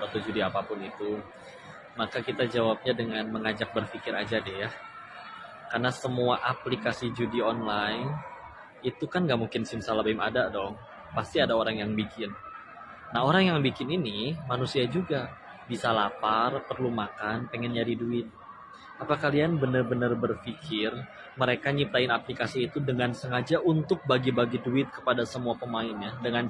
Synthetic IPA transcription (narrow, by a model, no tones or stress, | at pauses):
ət̪ud͡ʒudiapapʊnit̪u | makakit̪ad͡ʒawap̚ɲadəŋanməŋad͡ʒak̚bərfikɪɾa̰d͡ʒadɛhja | karnasəmuaʔaplikasid͡ʒudiɔnlaɪn | it̪ukanɡaʔmuŋkɪnsɪmsalabaima̰dadɔŋ | past̪iadaoɾaŋjaŋbikɪnː | aɦoɾaŋjaŋbikɪninimanusiad͡ʒuɡa | bisalaparpərlumakanpəŋɛnɲadiduɪt̪̚ | apakalianbənərbənərbərfikʰɪr | məɾekaɲiptaɪnaplikasiːt̪udəŋansəŋad͡ʒaʔunt̪ʊk̚baɡibaɡiduɪt̪̚kə̥padasəmuapəmaɪnɲadəŋan